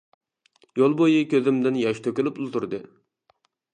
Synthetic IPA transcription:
jolˠbojikʲʰøzɪmd̪ɪnjɑʃt̪ʰøkʲylypulˠt̪uɾd̪ɨ̰

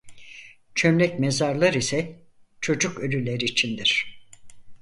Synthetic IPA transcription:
t͡ʃʰømlʲɛcmezaɾlˠaɾisɛ | t͡ʃʰo̞d͡ʒukølʲylʲeɾiːt͡ʃʰind̪iɾ̥

